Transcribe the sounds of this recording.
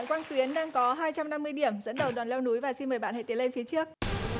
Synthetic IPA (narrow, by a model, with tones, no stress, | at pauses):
nkwaː˧ŋt̪wi˨˦ənɗaː˧ŋkɔ˨˦ɦaː˧jt͡ɕa˧mna˧mːɨ˧əjɗi˧˩əmzə̰˧˥nɗə˨˩wɗɔaː˨˩nlɛ˧wnu˨˦jvaː˨˩si˧nməː˨˩jɓa̰ː˧˨nha̰˧˨jt̪i˨˦le˧nfi˨˦ət͡ɕɨ˦˥ək̚